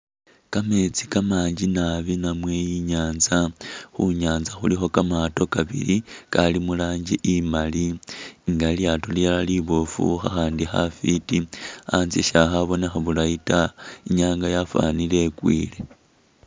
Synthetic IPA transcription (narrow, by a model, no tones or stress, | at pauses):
kame̞t͡sikamaːɲd͡ʒinaβinamwe̞jiɲaːnzaxuɲaːnzaxulixo̞kamato̞kaβḭɾikalimulaːɲd͡ʒiʔimaliŋɡaljaːto̞lialaliβofṵxa̰xaːndixa̰fitiaːnziʃaxaβo̞nexaβulaitaiɲaːŋɡajafa̰nile̞kwḭːle̞